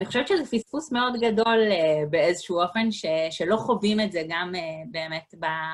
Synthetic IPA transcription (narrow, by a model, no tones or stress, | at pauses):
aniχo̞ʃevet͡ʃezefispusme̞o̞dɡado̞lebeezeʃuuo̞fe̞nʃeʃelo̞χovimetzeɡamebe̞ːmetba